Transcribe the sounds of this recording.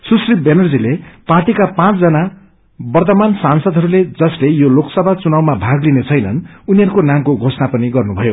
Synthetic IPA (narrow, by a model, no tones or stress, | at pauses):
susribenʌrd͡zileparʈikapãt͡sd͡zʌna | bʌrt̪ʌmansansʌd̪ʱɦʌɾuled͡zʌslejoloksʌbʱat͡sunawmabʱaɡlinet͡sʰʌjnʌnuniɦʌɾukonamkoɡʱosnapʌniɡʌrnubʱʌjo